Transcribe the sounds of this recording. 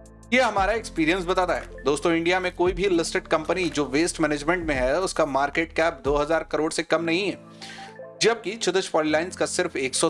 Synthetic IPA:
jeɦɐmaːɾaekspiːɾijə̃ns̬bɐt̪aːt̪aɦɛ̰ːd̪oːst̪õɪ̃ɳɖijamẽkoːibʱilɪsʈɪɖkɐ̃mpənid͡ʒoːʋeːsʈmɛːneːd͡ʒmẽɳʈmẽɦɛʊskamaːɾkeːʈkɛːp̚d̪oːɦɐzaːɾkɐɾoːɽsekɐmnɐɦĩɦɛː | d͡ʒɐb̚kit͡ʃʊt̪əʃfɔːlilaːɪnskasɪɾfeːksɔ

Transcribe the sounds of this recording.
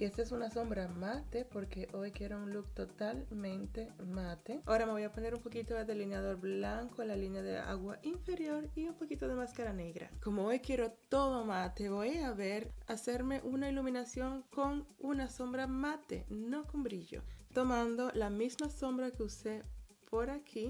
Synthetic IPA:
iest̪esunaso̞mbɾamat̪epo̞ɾkeʔojkjeɾounlukt̪ot̪almẽnt̪e̞mat̪eaoɾameβojapo̞ne̞ɾumpo̞kit̪oðelinjaðo̞ɾblaŋkoenlalinjaðḛa̰ɣwaʔiɱfe̞ɾjo̞ɾiumpokit̪oðe̞maskaɾane̞ɣɾa̰komoojkje̞ɾo̞t̪o̞ðomat̪eβojaβeɾaseɾme̞ʔunailuminasjo̞ŋko̞ŋunaso̞mbɾamat̪ḛno̞kombɾiʎo̰t̪o̞mãnd̪o̞lamizmaso̞mbɾakeusepʰoɾakʰi

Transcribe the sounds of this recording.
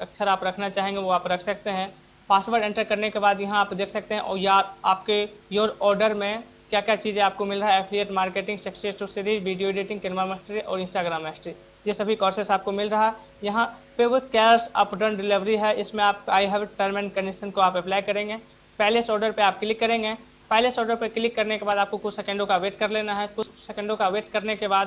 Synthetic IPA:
ɐksʰəɾaːpɾɐkʰnat͡ʃaːɦẽːŋɡeʋoaːpɾɐkʰsɐk̚t̪eɦɛ̃ | paːsʋəɾɖɛ̃ɳʈəɾkɐɾnekebaːd̪jɐɦãaːpd̪eːkʰsɐk̚t̪eɦɛ̃ʔɔːjaaːpkejoːɾɔːɾɖəɾmẽ | kjaːkjaːt͡ʃiːzẽaːp̚komɪlɾɐɦɛɛpʰlieʈmaːɾkeːʈɪ̃ŋɡsɐksesʈusɪɾiʋiːɖijoɖeːʈɪ̃ŋɡkɪlmamɛsʈɾiʔɔ̰ːɾɪ̃nsʈaːɡɾaːmːɛsʈɾi | jesɐbʱikɔːɾsɪsaːp̚komɪlɾɐɦaɦɛ | jɐɦãpeːʋɪt̪kɛːsɐ̰pɖə̃ɳɖɪlɪʋɾiɦɛɪsmẽaːp̚aːiɦɛʋʈəɾmɪnkənɪʃənkoaːpɛplaːɪkɐɾẽːŋɡe | pɛɦleɪsɔːɾɖəɾpeaːp̚kɪlɪkːɐɾẽːŋɡe | pɛɦlesɔːɾɖəɾpeklɪkːɐɾnekebaːd̪aːp̚kokʊt͡ʃʰsekə̃ɳɖõkaʋeːʈkɐɾleːnaɦɛkʊt͡ʃʰsekə̃ɳɖõkaʋeːʈkɐɾnekebaːd̪

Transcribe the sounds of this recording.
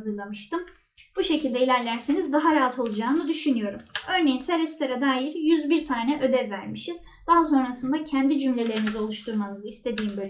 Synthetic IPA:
zɯɾlˠamɯʃt̪ɯm | b̥uʃe̞cilʲd̪ɛilʲæɾlʲæɾsenizd̪aɦaɾaɦat̪ʰo̞lˠud͡ʒaːnɯd̪yʃynyjo̞ɾumø̞ɾne̞jinsɛɾɛst̪ʰeɾad̪aːjiɾjyzbiɾt̪ʰaːnɛʔø̞d̪ɛvvæɾmiʃiz | d̪̥aɦas̬o̞nɾasɯnd̪acʰænd̪id͡ʒymlʲe̞lʲe̞ɾinizio̞lˠuʃt̪ʰuɾmanɯzɯist̪ʰe̞d̪iːmbølʲ

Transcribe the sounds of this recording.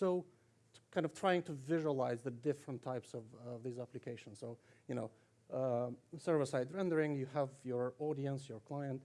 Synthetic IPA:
soʊ | kʰãɪ̃ndʌv̥tʰɹ̥aɪɪ̃ŋtʰɨvɪʒuəlaɪzðɨdɪfɹə̃ntʰaɪpsʌvvðizæplɨkʰeɪʃə̃n̩soʊjɨñoʊ | sɜ˞vəsaɪdɹɛ̃ndə˞ɪ̃ŋjɨəvjə˞ɔɾiɨ̃nsjə˞kʰl̥aɪə̃nt

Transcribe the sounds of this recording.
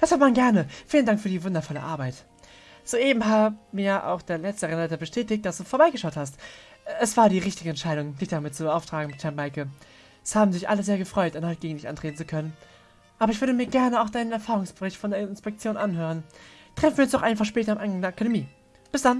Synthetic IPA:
d̥ashatmanɡɛɐnəfiːləndaŋkfyːɐdiːvʊndɐfɔlə̰ʔa̰ːɐbaɪt | z̥oːʔeːbm̩ɦaːbmiːɐʔa̰ʊxd̥eːɐlɛt͡stəʁɛnlatɐbəʃtʰɛːtɪçt̚d̥asd̥uːfoːɐbaɪɡəʃaʊthast | ɛsv̥aːɐɾiːʁɪçtɪɡəɛntʃaɪɾʊŋd̥ɪçd̥amɪt̚t͡subəʔaʊftʁ̥aːɡŋ̩mɪthɛɐmaɪkə | shaːbm̩zɪçʔa̰ləzeːɐɡəfʁ̥ɔʏtʔanhɔɪt̚ɡ̥eːɡŋ̩lɪçtʔa̰ntʁ̥eːtn̩t͡sukʰœnən | ʔaːbɐɪçv̥ʏɐdəmiːɐɡɛɐnəaʊxd̥aɪnənɛɐfaːʁʊŋsb̥əʁɪçtfɔndeːɐɪnspɛk̚t͡sjoːnʔanɦøːʁ̞ən | tʁ̥ɛfn̩viɐʊnsd̥ɔχʔaɪnfaχʃpɛːtɐamʔa̰ɪnŋɡaŋdeɐakademiː | b̥ɪsd̥an

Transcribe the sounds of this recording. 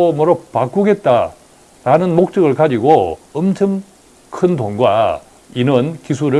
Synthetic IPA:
omoɾopak͈uɡe̞t̚t͈a | nanɯnmok̚t͡ɕ͈ʌɡɯɭkad͡ʑiɡoʌmt͡ɕʰɯm | kʰɯndoŋɡwa̰ | inɯnkis̬ʰuɾɯ

